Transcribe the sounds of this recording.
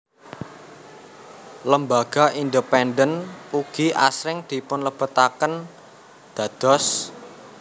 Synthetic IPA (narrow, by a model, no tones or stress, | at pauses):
ləmbaɡ̥a̤ʔind̪əpɛnɖənuɡ̥iʔa̰sɾɪŋd̪̥i̤pʊnləb̥ət̪akən | d̪̥a̤d̪̥ɔ̤s